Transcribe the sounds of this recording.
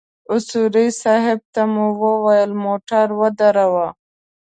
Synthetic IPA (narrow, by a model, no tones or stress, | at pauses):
ʊsuɾisaɦɪb̚t̪amuwəwajəlmoʈaɾwəd̪aɾawa